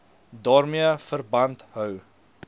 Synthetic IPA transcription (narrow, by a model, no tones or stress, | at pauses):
dɑːrmiəfərbɐntɦœw